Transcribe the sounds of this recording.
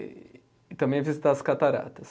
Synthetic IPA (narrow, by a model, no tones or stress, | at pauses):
ɪt̪ɐ̃mbẽj̃vizit̪aɐskat̪aɾa̰t̪ɐs